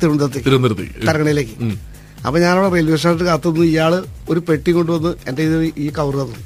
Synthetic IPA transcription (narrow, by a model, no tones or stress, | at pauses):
t̪iɾʋnd̪iɾɐt̪ːeːkt̪iɾniɾɐt̪ːḛt̪ɐɾɐkːɐɳɐjileːkːɨ | ɐ̰pːoːɲaːnuʋɽerelʋeʂaːʈːɨkaːt̪ːunːuijaːɭɨo̞ɾupeʈːiŋko̞ɳɖɨʋɐnːɨendeiðʔiːkɐwrkat̪ːunː